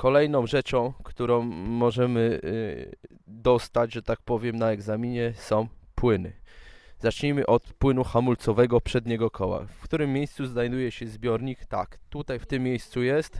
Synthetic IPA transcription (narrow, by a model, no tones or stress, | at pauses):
kɔlɛjnɔ̃w̃ʐɛt͡ʂɔ̃w̃kt̪uɾɔ̃w̃ːɔʐɛmɘ | d̪ɔst̪ad͡ʑʐɛt̪ak̚pɔvʲjɛmnaɛɡzamʲiɲɛsɔ̃w̃pwɘnɘ̰z̥at͡ʂɲimɘʔɔt̪pwɘnuxamult̪sɔvɛɡɔpʂɛd̪ɲɛɡɔkʰɔwa̰fkt̪uɾɘmːjejst̪suznajd̪ujɛɕɛzbʲjɔɾɲikt̪a̰kt̪ut̪ajft̪ɘmːʲejst̪sujɛst̪